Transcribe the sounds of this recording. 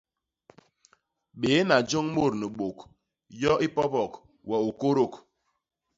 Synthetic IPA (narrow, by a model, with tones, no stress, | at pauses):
ɓe˨˦na˨d͡ʒɔ˦ŋ̩˦mo˦˨ɾnu˨ɡ͡bo˨k | jɔ˦ʔi˦pɔ˦pɔ˨k | wɛ˨o˨ko˦ɾo˨k